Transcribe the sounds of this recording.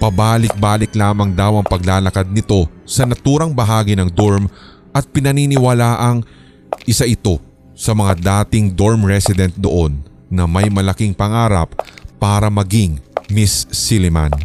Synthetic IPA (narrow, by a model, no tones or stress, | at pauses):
pɐbaːlɪk̚baːlɪklaːmɐŋd̪awɐŋpɐɡ̚laːlɐkad̪̚nɪt̪o̞sɐnɐt̪uːɾɐŋbɐɦaːɡinɐŋd̪oɹm | ʔɐt̪̚pɪnɐninɪwɐlaːʔɐŋ | ʔɪsaʔɪt̪o̞ | sɐmɐŋad̪aːt̪ɪŋd̪o̞ɹmɹɛsɪd̪ɛnt̪̚d̪o̞̰ʔo̞nː | ɐmɐjmɐlɐkiŋpɐŋaːɾɐp̚ːaːɾɐmɐɡɪŋmɪsːilɪma̰n